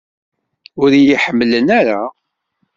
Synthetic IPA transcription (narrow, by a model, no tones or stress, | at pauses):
ʊɾjiħəmːlənæɾa